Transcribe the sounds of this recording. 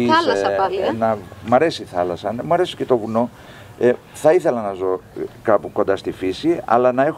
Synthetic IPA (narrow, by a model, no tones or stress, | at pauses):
isɐsɐnɐmɐɾe̞siθɐlɐsɐnemuɐɾe̞si̥ce̞t̪o̞vuno̞ | θɐiθe̞lɐnɐzo̞kɐpuko̞nd̪ɐst̪ifisiɐ̰lɐnɐe̞x